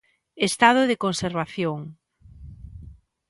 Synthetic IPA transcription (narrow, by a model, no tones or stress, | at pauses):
est̪að̞oðekõnseɾβaθjoŋ